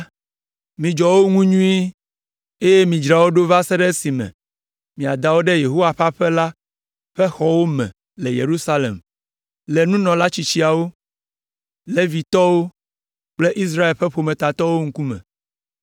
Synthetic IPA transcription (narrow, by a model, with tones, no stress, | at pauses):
mĩ˨d͡ʒɔ˨wo˦ŋũ˦ɲũ˦i˦ | e˦je˦mĩ˨d͡ʒɾa˨wo˦ɖo˦va˦se˦ɖe˦si˨mɛ̰̃˨ | mĩ˨a˨d̪a˨wo˦ɖɛ˦je˨ɦo˦wa˨ɸa˦ɸɛ˦la˦ | ɸɛ˦xɔ˦wo˦mɛ̰̃˨ | le˨jḛ˨ɾu˦sa˦lḛ˨m | le˨nũ˦nɔ̃˨la˦t͡ɕi˨t͡ɕi˦a˨wo˦ | le˦vi˨t̪ɔ˦wo˦ | k͡ple˦ʔi˦s̬ɾa˦e˨lɸɛ˦ɸo˨mẽ˨t̪a˨t̪ɔ˦wo˦ŋ̩˦ku˦mɛ̰̃˨